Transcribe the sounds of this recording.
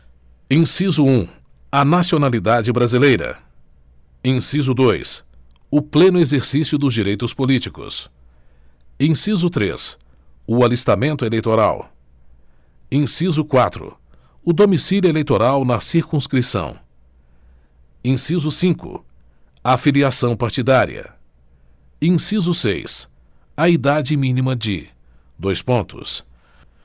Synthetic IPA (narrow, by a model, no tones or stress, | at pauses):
ẽsizʊũ | ɐnasionalid̪ad͡ʒɪbɾazilejɾɐ̰ | ẽsizʊd̪ojs | ʊplẽnʊezeɾsisjʊd̪ʊzd͡ʒiɾejt̪ʊspolit͡ʃikʊ̰s | ẽsizʊt̪ɾḛs | ʊalist̪amẽnt̪ʊelejt̪oɾa̰w | ẽsizʊkwat̪ɾʊ̰ | ʊd̪omisiljuelejt̪oɾawnɐsiɾkũskɾisɐ̰̃w̃ | ẽsizʊsĩkʊ̰ | aːfiliasɐ̃w̃paɾt͡ʃid̪aɾḭɐ̰ | ẽsizʊsḛjs | ɐid̪ad͡ʒɪmĩnimɐd͡ʒɪ̰ | d̪ojspõnt̪ʊ̰s